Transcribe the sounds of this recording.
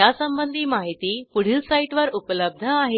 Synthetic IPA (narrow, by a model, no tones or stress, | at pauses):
asəmbənd̪ʱiːmaɦit̪iːpuɽ̤iːlsaiʈʋəɾupələb̚d̪ʱəaɦe